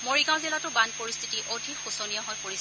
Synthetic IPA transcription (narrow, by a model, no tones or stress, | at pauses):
moɹiɡãw̃zilatʊbanpoɹist̪ʰi̥tiʔodʱikxusɔnijɔɦɔjpoɹis